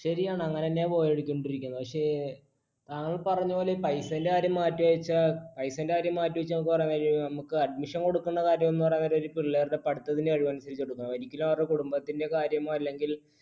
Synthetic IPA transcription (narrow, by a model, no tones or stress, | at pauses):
ɕɐɾijaːɳɨɐŋːɐnenːe̞po̞ːjeɽukʲːuɳɖiɾikʲːunːɐpɐkʂe̞ | t̪aːŋːɐɭpɐrɐɲːupo̞ːleipɐjsɐndeaːɾjɐmːaːtːuɐt͡ɕːɐpɐjsɐndeaːɾjɐmːaːtːuʋɐt͡ɕːɐnɐmukːɨpɐrɐjnɐɾinɐmukːɨɐɖ̚miʂɐnko̞ɽukːunːɐkaːɾjɐme̞nːɨpɐrɐjnɐɾoɾipilɭːeːrt̪epɐɽut̪ːɐðindeɐɻiʋɐnusɐɾit͡ɕːeɽukːunːɐmɐɾikʲːulumɐrekuɽumbɐt̪ːinde̞kaːɾjɐmoːɐlːe̞ŋɡil